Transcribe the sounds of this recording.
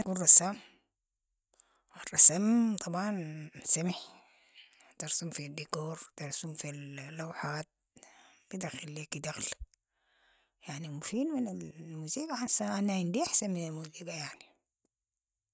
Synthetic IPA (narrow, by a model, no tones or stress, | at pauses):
kurˤːɑsam | wɑrˤːɑsamt̪ˤɑbʕɑnsamaħ | t̪ɑɾsumfid̪ːikoːɾˤt̪ɑɾˤsumfillːawħaːt̪̚ | b̥id̪axilːikid̪axl | jaʕnimufiːdminalmuziːɡaʕansaʔanaɪnd̪iaħsanminalmuziːɡajaʕni